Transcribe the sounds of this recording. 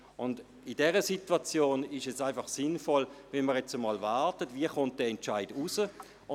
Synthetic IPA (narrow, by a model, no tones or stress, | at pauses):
ʊnd | idɛʁəsitwat͡sjoːnɪʃɛsaɪnfɑχsɪnfɔlvɛnməʁjɛt͡səmɑːlvaɾtətviəχʊnt̚d̥ɛːɛnt͡ʃaɪdusə | ʊ